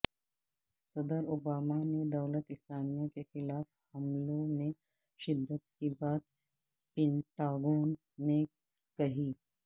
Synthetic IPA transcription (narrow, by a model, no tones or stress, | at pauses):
səd̪əɾobaːmaned̪əwlət̪isaːnijãkexɪlaːfhɐmlõme | ʃɪd̪ʱːət̪kibaːt̪̚ | pɛɳʈaɡoːnː | e | kɐɦiː